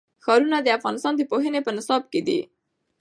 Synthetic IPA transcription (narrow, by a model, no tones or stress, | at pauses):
xɑɾunad̪əafɣɑnɪst̪ɑnd̪əpoɦənepənɪsɑb̚ked̪ḭ